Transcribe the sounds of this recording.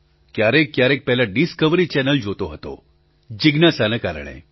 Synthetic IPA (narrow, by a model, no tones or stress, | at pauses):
kjaɾekːjaɾek̚pɛɦlaɖiskəʋɾiːt͡ɕɛnəld͡ʑʱot̪oɦot̪o̰ | d͡ʑiɡnasanəkaɾɳ̃ḛ